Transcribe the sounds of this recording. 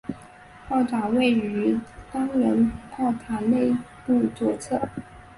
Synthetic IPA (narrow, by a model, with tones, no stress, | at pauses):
pɑ˥˩ʊʈ͡ʂa˨˩we˥˩ɪy˧˥t̪ɑ˥ŋɻə˧˥npʰɑ˥˩ʊt̪ʰa˨˧˥ne˥˧ɪ | pu˥˩t͡swɔ˨˩t͡sʰɤ˥˩